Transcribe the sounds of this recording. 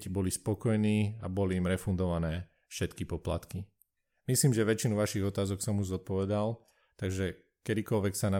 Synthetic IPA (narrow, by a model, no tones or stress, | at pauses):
cbɔlispɔkɔjniːabɔliːmɾɛfund̪ɔʋanɛː | fʃɛt̪kipɔpla̰t̪ki | misliːmʒɛʋɛt͡ʃinuʋaʃiɣɔt̪aːzɔksɔmuʒzɔt̪̚pɔʋɛd̪al | t̪aɡʒɛ | kɛd̪ikɔlʋɛksana